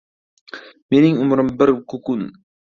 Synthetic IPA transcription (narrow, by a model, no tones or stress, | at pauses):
menɪŋʊmɾɪmbɪɾkʰʊkun